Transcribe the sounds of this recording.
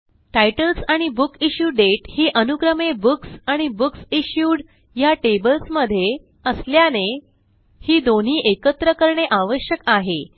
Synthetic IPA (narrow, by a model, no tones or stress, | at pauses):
ʈajʈəlsaɽ̃ibukiɕjuɖeʈhiːʔənuɡɾəmebuksaɽ̃ibuksiɕjuːɽ | jaʈebəlsməd̪ʱːje | əsljane | hiːd̪on̤iːʔekət̪ɾəkəɾɳeʔaʋəɕjəkaɦe